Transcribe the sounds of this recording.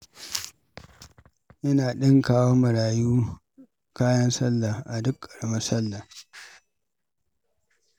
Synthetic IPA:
ʔɪ˦naː˨ɗɪ˦ŋkaː˦wo˦mɐ˨ɽaː˨juː˦ | kaː˦jɐ˦nsɐ˦lːa˨ʔa˨dʊ˦kʰʼːɐ̥˨rmɐ˦sɐ˦lːa˨

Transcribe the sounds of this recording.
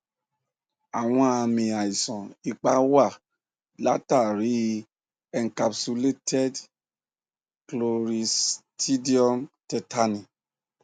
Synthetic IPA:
a˨w̃ɔ̃˧a˧mĩ˨a˨i˨sɔ̃˨i˧k͡pa˧wa˦˨ | la˨˦ta˦˨ɾi˨˦˧ | ɛ˨ŋka˧psu˧le˦tɛ˦d | klo˨ɾi˧stʰi˦di˦ɔ˦mtɛ˧ta˦nĩ˨

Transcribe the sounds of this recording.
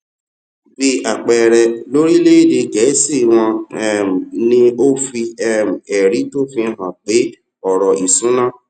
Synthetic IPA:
bi˧a˨k͡pɛ˨ɾɛ˨lo˦ɾi˦le˦˨de˧ɡɛ˨˦si˦˨w̃ɔ̃˧ɛ˦˨m˨nĩ˧o˦fi˧ɛ˦m̩˨ɛ˨ɾi˨˦to˦fĩ˧ɦã˨k͡pe˨˦ | ɔ˨ɾɔ˨ʔi˨sũ˨˦nãː˦˨

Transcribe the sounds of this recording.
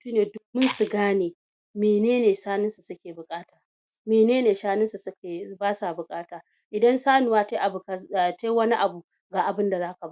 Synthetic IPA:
mʊ˦tuː˦neː˨dʊ˦kmʊ˦nsu˨ɡaː˦neː˨ | meː˨neː˦neː˨ʃaː˦nɪ˦nsu˨sʊ˦kʲeː˨bʊ˨kʼaː˦taː˨ | meː˨neː˦neː˨ʃaː˦nɪ˦nsu˨ske˨baː˦sa˨bʊ˨kʼaː˦taː˨ | ʔɪ˨dɐ˦nsaː˦nu˨waː˦ta˦ʔa˨bka˨ta˦jwɐ˦ni˦ʔa˨bu˨ | ɡa˨ʔa˨bɪ˦nda˨zaː˦ka˨ba˦

